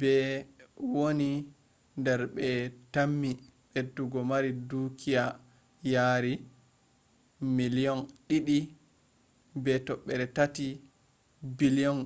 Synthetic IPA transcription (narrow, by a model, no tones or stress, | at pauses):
bɛ | woni | ndɛɾɓɛtamːiɓeduɡɔmaɾidukʰija | jaɾi | milijɔnɗiɗi | bɛtɔɓːɛɾɛtati | biliɔn